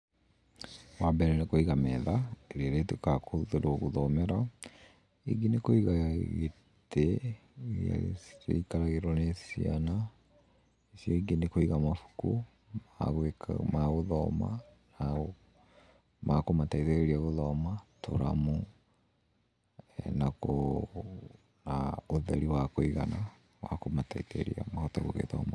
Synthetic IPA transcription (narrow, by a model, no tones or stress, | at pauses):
wabɛɾɛnekoiɣamɛðaeɾiaɾetukakʰoðeɾwɔɣuðɔmɛɾa | ḛɡinekoiɣaɣe | tɛ | a̰ḛikaɾaɣeɾwɔnesia̰na | esjoiɡinekoiɣamafu̥ku | aɣmaɣoðɔma̰na | makomataiteɣeɾiaɣoðɔmato̰ɾa̰mu | ɛnako | naoðɛɾiwakoiɣana | wa̰komataiteɾḭa̰mahɔtaɣoɣḛtɔ̰ma